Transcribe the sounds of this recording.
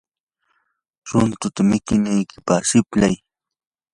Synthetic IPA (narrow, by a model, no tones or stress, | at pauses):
ɾʊnt̪ʊt̪amɪkɪnajkɪ̥paχsɪplaj